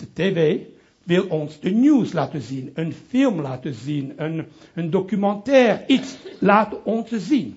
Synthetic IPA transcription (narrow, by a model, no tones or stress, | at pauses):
d̥̪ət̪eve | vilɔ̃nsd̪ənjuzlat̪əzinə̃nfilmlat̪əzinə̃nə̃nd̪ɔkymɑ̃t̪ɛːʁitslat̪əɔ̃nsəzin